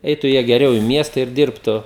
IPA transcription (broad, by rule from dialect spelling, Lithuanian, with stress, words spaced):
ˈɛɪtʊ ˈjiɛ ɡʲɛˈrʲɛʊ ɪ ˈmʲiɛstɐ ɪr ˈdʲɪrptʊ